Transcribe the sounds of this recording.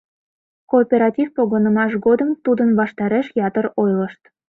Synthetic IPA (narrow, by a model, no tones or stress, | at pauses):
koːpʲeɾɑtʲifpoɣənə̆mɑʃ̬ɡod̪əmt̪ud̪ənβɑʃt̪ɑɾeʃjɑt̪əɾojləʃt̪